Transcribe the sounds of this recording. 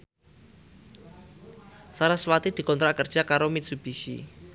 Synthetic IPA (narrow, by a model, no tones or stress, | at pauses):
saɾaswat̪id̪̥i̤kɔnt̪ɾaʔkərd̥ʒ̥a̤kaɾomit̪̚sub̥isḭ